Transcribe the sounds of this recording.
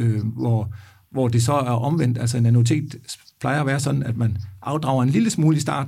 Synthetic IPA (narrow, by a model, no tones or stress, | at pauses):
øʋɒ | ʋɒd̥e̝sɒ̽æɐʔɒ̽mʋen̰d̥ælsɒe̝nænot͡sʰe̝̰ːd̥pʰlɑ̈ɪɐːʋæːɐsɒ̽d̥n̩æd̥mænʔɑ̈ʊd̥ʁɑ̈ʊɐe̝nliləsmuːləisd̥ɑ̈ːd